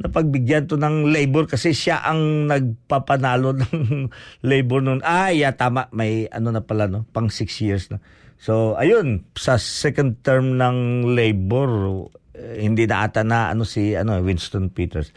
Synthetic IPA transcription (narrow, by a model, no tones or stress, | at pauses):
nɐpɐɡ̚bɪɡjant̪onɐŋlejboɾkɐsɛʃaʔɐŋnɐɡ̚papɐnaːlo̞nɐŋlejboɹnonʔajat̪aːmaʔmɐjɐ̰no̞nɐpɐlano̞pɐŋsɪksjiɹsnɐ | soʔɐjonsɐsɛkɐnd̪̚t̪ɛɹmnɐŋlejboɾ | hɪnd̪inɐʔa̰t̪anaʔɐ̰no̞siɐ̰nowɪnst̪onpiːt̪ɛɹs